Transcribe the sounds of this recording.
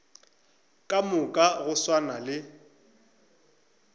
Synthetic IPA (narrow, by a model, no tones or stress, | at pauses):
kʼamʊkʼaɣʊswanalɪ